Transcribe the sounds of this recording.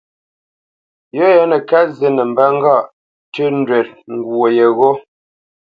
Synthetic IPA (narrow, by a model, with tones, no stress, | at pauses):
jo˦ja˦nə˨ka˦ze˨nə˨m̩˨ba˦ŋ̩˦ɡa˦˨ʔ | tʉ˦n˦dwɛ˨t̚ŋ˨ɡwo˨je˨ɣo˦